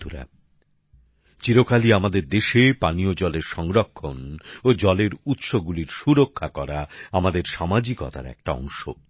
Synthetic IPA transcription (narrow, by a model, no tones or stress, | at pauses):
uɾa̰ | t͡ɕiɾokaliamad̪eɾd̪eʃepaniod͡ʑɔleɾʃɔŋɾokʰːonod͡ʑɔleɾut̪ʃoɡuliɾʃuɾokʰːakɔɾaamad̪eɾʃamad͡ʑikɔ̰t̪a̰ɾɛ̰k̚ʈaɔ̰ŋʃo̰